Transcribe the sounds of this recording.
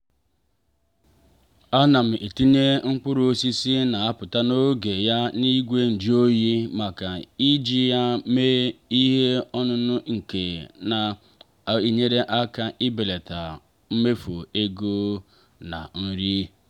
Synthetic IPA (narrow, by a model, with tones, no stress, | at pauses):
a˦na˨m̩˨e˨ti˦ɲe˦ŋ͡m̩˦k͡pʊ˦ɾo˦si˦si˦na˨a˦pʊ˨ta˦no˦ɡe˨ja˦ni˦ɡʷe˦n̩˨d͡ʒi˦o˦ji˦ma˨ka˨i˦d͡ʒi˦ja˦me˦i˦ɦe˦ɔ˦nʊ˦nʊ˦ŋ̩˨ke˨na˨ | i˨ɲe˦ɾe˦ʔa˦ka˨ʔɪ˦be˨le˨ta˨ | m̩˦me˦fo˨e˦ɡo˦ | na̰˨n̩˦ɾi˦